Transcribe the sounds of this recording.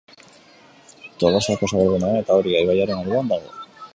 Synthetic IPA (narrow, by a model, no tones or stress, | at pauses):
t̪oɣosakosaβeɾðunae̞t̪ao̞ɾiajβajaɾenoɾðuand̪aɣo̞̰